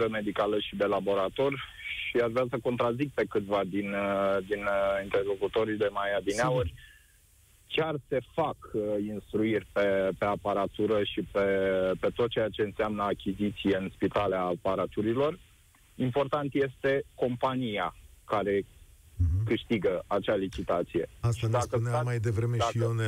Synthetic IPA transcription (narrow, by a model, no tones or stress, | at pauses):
ɾəme̞d̪ikaləʃid̪e̞labo̞ɾat̪o̞rʲʃiaʒvɾasəko̞nt̪ɾazik̚pe̞kɨt̪vad̪ind̪inint̪erlo̞kut̪o̞ɾid̪emajab̪ineaurʲ | t͡ʃʲearse̞fakinst̪ɾuirʲpe̞pe̞apaɾat̪uɾəʃipe̞pe̞t̪ot̪̚t͡ʃe̞jat͡ʃe̞ɨnseamnəakʲizit̪sije̞ɨnspit̪aleaːpaɾat̪uɾilo̞r | impo̞rt̪ant̪je̞st̪e̞ko̞mpanijakaɾe̞ | kɨʃt̪iɡəat͡ʃalit͡ʃit̪at̪sije̞̰asʃad̪akənmajd̪evɾemed̪aion